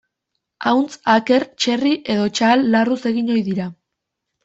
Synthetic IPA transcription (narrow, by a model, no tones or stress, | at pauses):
awnt͡sake̞ɾt͡ʃe̞riʔe̞ðo̞t͡ʃalːaruse̞ɣiɲo̞jðiɾa